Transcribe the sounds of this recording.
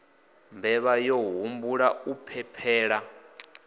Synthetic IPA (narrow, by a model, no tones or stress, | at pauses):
mbʱɛβajɔɦumbuɺaupʰɛpʰɛːɺa